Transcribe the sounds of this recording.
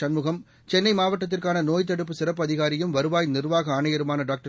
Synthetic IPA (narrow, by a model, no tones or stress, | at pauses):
ɐnmɯɣɐm | t͡ʃɛnːɐɪmaːʋɐʈːɐt̪̬ːɪrkaːnɐnoːjt̪̬ːɐɽɯp̬ːɯsɪɾɐpːɐðɪɣaːɾɪjɯmʋɐɾɯʋaːjnɪrʋaːɣɐaːɳɐjɐɾɯmaːnɐɖaːk̚ʈɐ